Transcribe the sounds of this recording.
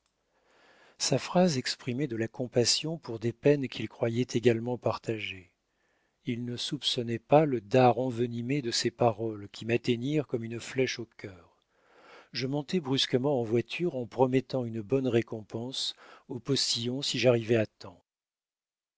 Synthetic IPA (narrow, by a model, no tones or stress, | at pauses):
safχazɛkspχimɛd̪əlakɔ̃pasjɔ̃puʁd̪epɛnkʲʰilkχwajɛt̪ʰeɡalmɑ̃paʁt̪aʒe | ilnəsupsɔnɛpaləd̪aʁɑ̃vənimed̪əsepaʁɔlkʲʰimat̪ɛniʁkɔmynəflɛʃokʲʰœːʁ | ʒəmɔ̃t̪ɛbʁyskəmɑ̃ɑ̃vwat̪ʰyʁɑ̃pχɔmɛt̪ɑ̃ynəbɔnʁekɔ̃pɑ̃sopɔst̪ijɔ̃siʒaʁivɛat̪ɑ̃